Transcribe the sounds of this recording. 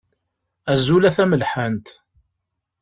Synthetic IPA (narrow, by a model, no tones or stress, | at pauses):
æzulæθæməlħant̪